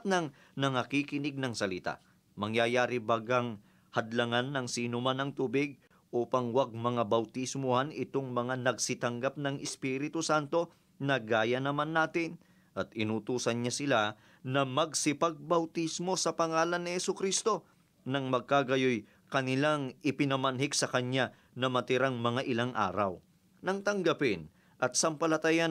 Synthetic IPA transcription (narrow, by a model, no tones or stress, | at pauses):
nɐŋ | nɐŋɐkikɪnɪɡ̚nɐŋsɐlɪt̪a̰ʔ | mɐŋjajaːɾɪbaɡɐŋ | hɐd̪lɐŋanːɐŋsiːnʊmanɐŋt̪uːbɪɡ̚ | ʔuːpɐŋwɐɡ̚mɐŋabɐwt̪ismʊhanɪt̪oŋmɐŋanɐɡsɪt̪ɐŋɡap̚nɐŋɪspiːɾɪt̪ʊsant̪o̞ | nɐɡaːjɐnɐmanːaːt̪ɪn | ʔɐt̪ɪnut̪uːsɐnɲasɪla | nɐmɐɡ̚sɪpɐɡ̚bɐwt̪ismo̞sɐpɐŋaːlɐnːɪhɛsʊkɾist̪o̞ | nɐŋmɐɡ̚kaɡɐjoj | kɐnɪlaŋɪpɪnɐmɐnɦɪɡsɐkɐɲːa | nɐmɐt̪ɪɾaŋmɐŋaʔɪlaŋʔa̰ːɾɐ̰w | nɐŋt̪ɐŋɡɐpɪn | ʔɐt̪̚sɐmpɐlɐt̪aja